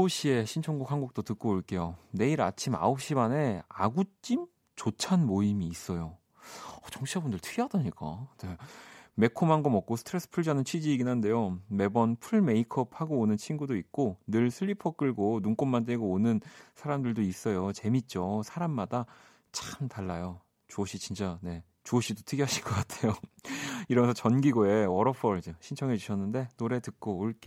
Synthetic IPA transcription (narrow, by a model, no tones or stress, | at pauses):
oɕ͈ie̞ɕʰint͡ɕʰoŋɡukhaŋɡuk̚t͈otɯk͈oːɭk͈e̞jone̞iɾa̰t͡ɕʰima̰op̚ɕ͈imane̞a̰ɡut͡ɕ͈im | t͡ɕot͡ɕʰanmoimiːs͈ʌjo | ʌt͡ɕʌŋɕʰiabundɯɭtʰɯɡiɦadʌɲik͈a̰neme̞kʰomaŋɡomʌk̚k͈osʰtʰɯɾes͈ʰɯ̥pʰuɭd͡ʑanɯnt͡ɕʰɥid͡ʑiːɡinɦande̞jome̞bʌnpʰuɭme̞ikʰʌp̚ʰhaɡoːnɯnt͡ɕʰiŋɡudoik̚k͈onɯɭsʰɯʎːipʰʌk͈ɯɭɡonuŋk͈omːant̬weɡoonɯnsʰaɾamdɯɭdois͈ʌjot͡ɕe̞mit̚t͡ɕ͈osʰaɾamːada | t͡ɕamtaɭːajo | t͡ɕoɕʰit͡ɕint͡ɕ͈ane̞ | t͡ɕoɕʰidotʰɯɡjɦʌɕʰiɭk͈ʌk͈atʰejo | iɾʌmensʰʌt͡ɕʌnɡiɡoe̞wʌɾʌpʰʌɭd͡ʑeɕʰint͡ɕʰʌŋɦe̞d͡ʑuɕʰʌnːɯnde̞noɾe̞tɯk̚k͈oːɭk͈e